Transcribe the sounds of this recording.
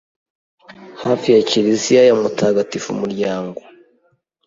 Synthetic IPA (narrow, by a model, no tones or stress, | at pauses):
haːfijaciɾizijajamutʰaːɡatifṵmuɾɟaːŋɡo